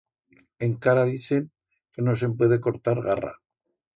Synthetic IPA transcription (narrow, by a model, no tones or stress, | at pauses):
e̞ŋkaɾaðiθe̞ŋ | ke̞no̞s̬e̞mpwe̞ð̞e̞ko̞ɾt̪aɾɣara̰